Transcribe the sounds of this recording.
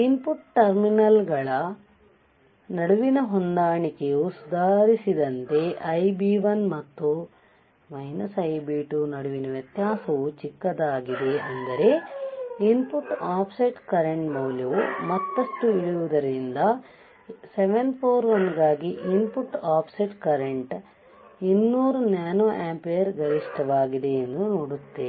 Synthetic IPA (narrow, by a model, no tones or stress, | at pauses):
inpuʈʈɐɾminɐlɡɐɭɐ | nɐɽuʋinɐɦond̪aːɳikeusud̪aːɾisid̪ɐnt̪e̞ʔɐjbiːʋɐnmɐt̪ːu | mɐjnɐsɐjbiːʈunɐɽuʋinɐʋjɐt̪jaːsɐʋut͡ʃikːɐd̪aːɡid̪e̞ɐnd̪ɐɾe̞ | inpuʈːaːpʰsɐʈkɐɾeɳʈmɐːljɐʋumɐt̪ːɐʂʈuiɭuʋud̪ɐɾind̪ɐ | seʋenpʰoːɾʋɐnɡaːɡiʔinpuʈːaːpʰsiʈkɐɾeɳʈ | inːuːɾunaːnoːʔaːmpɐjɐɾɡɐɾiʂʈɐʋaːɡid̪e̞end̪unoːɽut̪ːe